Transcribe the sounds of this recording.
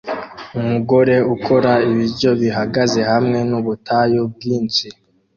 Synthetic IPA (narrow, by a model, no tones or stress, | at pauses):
umuɡo̞ɾe̞ukʰo̞ɾaiβiɾɟo̞βiɦaɡaze̞hamŋe̞nuβutʰajob̚ɡiːnt͡si